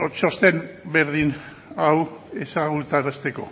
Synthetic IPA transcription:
ot͡ʃo̞st̪e̞mbe̞ɾðin | awe̞saɣult̪aɾast̪e̞ko̞̰

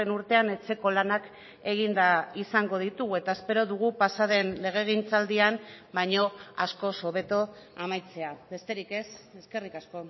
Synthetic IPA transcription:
enuɾt̪e̞ane̞t͡se̞ko̞lanak | e̞ɣind̪aisaŋɡo̞ð̞it̪uɣue̞t̪ae̞spe̞ɾo̞ðuɣ̞upasaðe̞nle̞ɣ̞e̞ɣ̞int͡sald̪iambajɲo̞asko̞so̞β̞e̞t̪o̞ | amajt͡se̞abe̞st̪e̞ɾike̞seske̞rikasko̞

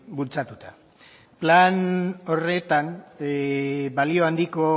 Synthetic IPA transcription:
bult͡sat̪ut̪a | plano̞re̞t̪an | balio̞and̪iko̞

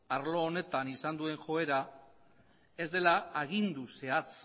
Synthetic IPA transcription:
aɾlo̞ːne̞t̪anisand̪ue̞ŋʝo̞e̞ɾa | e̞zd̪e̞laaɣind̪use̞at͡s

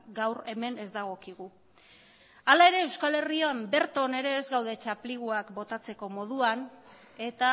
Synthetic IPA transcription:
ɡawɾe̞me̞ne̞zd̪aɣ̞o̞kiɣu | alae̞ɾe̞ːwskale̞rioambe̞ɾt̪o̞ne̞ɾe̞ːzɡawðe̞t͡ʃapliɣ̞uakbo̞t̪at͡se̞ko̞mo̞ð̞uan | e̞t̪a

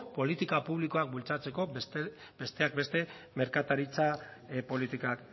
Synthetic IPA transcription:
po̞lit̪ikapuβliko̞ak̚bult͡sat͡se̞ko̞s | be̞st̪e̞ak̚be̞st̪e̞ | me̞ɾkat̪aɾit͡sapo̞lit̪ikak

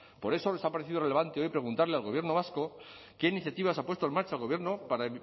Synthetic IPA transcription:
po̞ɾe̞so̞lesapaɾeθiðore̞le̞β̞ant̪eo̞jpɾe̞ɣ̞unt̪aɾlealɣ̞o̞β̞je̞ɾno̞β̞asko̞ | ke̞iniθjat̪iβ̞asapwest̪oe̞nmaɾt͡ʃaːlɣoje̞ɾno̞paɾa

